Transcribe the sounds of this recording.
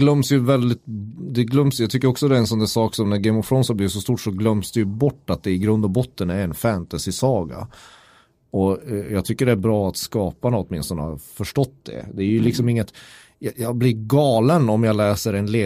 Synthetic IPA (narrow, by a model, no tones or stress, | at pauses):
ɡlœmsjɵvɛld̪ɪt̪̚d̪ɛɡlœmsjɑɡt̪ʰʏkːəɾɔksɔd̪ɛɾɛnsɔmd̪æsɑːksɔmnæɾɡɛɪmɔvɧɾɔnsablɪːs̬ɔst̪uːʈʂɔɡlœmsd̪ɛjɵbɔʈːat̪̚d̪ɛɪɡɾɵnd̪ɔbɔt̪ːənæɾɛnfænt̪asɪsɑːɡa̰ | ɔjɑɡt̪ʰʏkːəɖɛæɾbɾɑːat̪skɑːpanaɔt̪mɪnst̪ɔnə̰hɑɾfœʂʈɔt̪ːd̪ɛ̰d̪ɛæɾjɵlɪksɔmɪŋːət̪ | jɑjɑblɪɾɡɑːlənɔmjɑlɛːsəɾɛnleː